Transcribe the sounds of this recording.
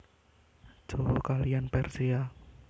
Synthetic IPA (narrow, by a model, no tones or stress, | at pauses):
d͡ʒ̥ookalijanpɛrsia